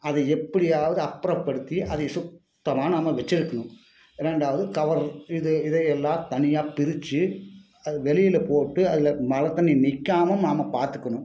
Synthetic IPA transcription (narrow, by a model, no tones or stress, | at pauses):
ɐðɐɛpːɐɽɪjaːʋɐðɯɐpːɾɐʋpɐɽɯt̪ːiʔɐðɐsʊk̚ | t̪ːɐmaːnɐmːɐʋɛt͡ʃːɪɾɯkːɐɳʊ̃m | ɪɾɛɳɖaːʋɐðɯkɐʋɐɾɪðɯɪðɐjɛlːãːt̪ɐnɪjaːpɪɾɪt͡ʃːɯ | ɐðɯʋɛlɪjɪlɐpoːʈːɯɐðɪlɐmɐlɐt̪ːɐnimɪkːaːmɐmnaːmɐpaːɾt̪ɯkːɐɳʊ̃m